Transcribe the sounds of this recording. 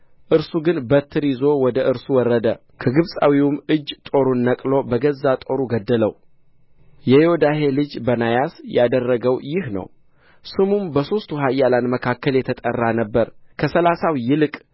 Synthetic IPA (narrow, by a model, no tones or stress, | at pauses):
ʔɨɾsuɡɨnbət̪ʰːɨɾizowɔd̪əʔɨɾsuwɔrːəd̪ə | kʰəɡɨβsʼa̰wiwumɨd͡ʒːt̪ʼo̞ɾunːəkʼlo̞bəɡəzːat̪ʼo̞ɾuɡəd̪ːələw | jɛod̪aɦe̞lɨd͡ʒbənajasjad̪ərːəɡəwjɪhnə̰w | sɨmumbəso̞st̪ʰuɦajːalanməkʰakːəljɛt̪ʰət̪ʼə̰rːanəbːəɾkʰəsəlasawjɪlɨkʼ